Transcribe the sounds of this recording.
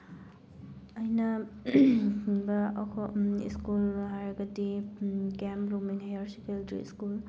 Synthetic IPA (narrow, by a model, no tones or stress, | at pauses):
ɐjnɐ | bɐkʰɔḭskulɦaɾɐɡɐdiɡemɾumiŋhajaɾsikeltɾḭḭskul